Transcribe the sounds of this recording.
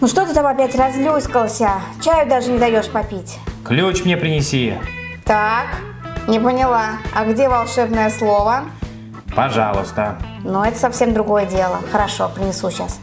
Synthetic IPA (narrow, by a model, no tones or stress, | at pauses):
nuʂt̪ot̪ɨt̪amɐpʲætʲrɐzlʲuskəlˠsʲət͡ɕæjʊd̪aʐɨnʲɪd̪ɐjo̞ʂpɐpʲitʲklʲut͡ɕmnʲepɾʲɪnʲɪsʲit̪ak | nʲɪpənʲɪlˠaɐɡdʲevɐlˠʂɛbnəjəslˠo̞və | pɐʐa̰lˠʊst̪ənuɛt̪ə̥sɐfsʲemd̪ɾʊɡo̞jədʲelˠəxəɾɐʂo̞pɾʲɪnʲɪsuɕas